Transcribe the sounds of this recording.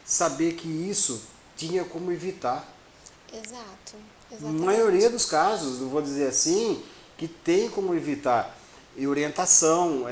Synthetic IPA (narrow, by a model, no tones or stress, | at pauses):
sabeɾkɪisʊ | tĩɲɐkõmʊevit̪aɾ | ezat̪ʊ | zamajoɾiɐd̪ʊskazʊsnẽw̃vowd͡ʒ̪izeɾasĩ | kɪt̪ẽj̃kõmʊevit̪aɾ | oɾiẽnt̪asɐ̃w̃